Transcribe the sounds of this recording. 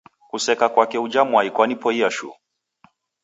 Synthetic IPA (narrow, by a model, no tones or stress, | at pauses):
kusɛkakwakɛud͡ʒamwaikwanipɔiaʃṵ